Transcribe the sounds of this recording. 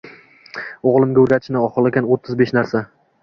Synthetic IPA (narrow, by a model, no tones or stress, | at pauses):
oʁlˠɪmɡʲaɵɾɡʲat̪ʰɪʃnɪɒχɨlˠekʲanot̪ʰːɪzbe̞ʃnaɾsa